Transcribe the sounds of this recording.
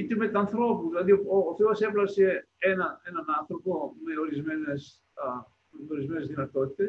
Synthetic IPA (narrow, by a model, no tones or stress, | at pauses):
it̪emet̪ɐnθɾo̞puðilɐðiooːθeɐseplɐse | enɐenɐnɐnθɾo̞pome̞oɾizmenes | meoɾizmenezðinɐt̪ot̪i̥t̪es